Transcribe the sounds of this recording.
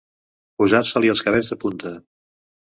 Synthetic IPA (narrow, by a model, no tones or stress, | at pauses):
puzarsəliəlˠskəβɛzðəpunt̪ə